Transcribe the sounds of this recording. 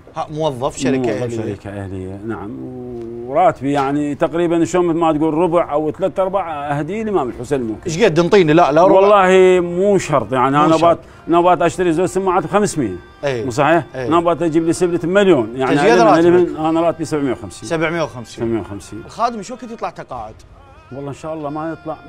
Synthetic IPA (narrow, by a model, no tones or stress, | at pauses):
hamʊwɑðˤːɑfʃaɾiwˤɑfʃaɾḭːkʰaʔa̰hlɪ̰jːa̰naʕa̰mwɾˤɑːt̪bijaʕnit̪aqɾiːbanʃoːnmmat̪ɡuːlrˤɾʊbʕʔawt̪laːt̪ʔɑɾˤbaʕʔahd̪ilimaməlħʊsenlmʊ̰mkʃɡeːt̪d̪ənt̪ˤiːnilaʔlawɑlˤːɑːhimuːʃɑɾˤt̪ˤjaʕniʔanabɑt̪ | nabɑːt̪ʔaʃt̪aɾizoːd͡ʒsɪmːaʕaːt̪bxamsmɪja | emus̬ˤɑħiːħnabɑːt̪ʔad͡ʒiːblisɪblamaljoːnjaʕniɡealmɪnʔanaɾˤɑːt̪̚biːsabʕmɪjawxamsiːsabʕmjːawxamssːabʕmjawxamsḭːnlxaːd̪əmʃukɪt̪ɨt̪ˤlɑʕt̪ɑqɑ̰ːʕɪd̪̥ | wɑlˤːɑːʔnʃaːʔɑlˤːɑːmajɨt̪ˤlɑʕ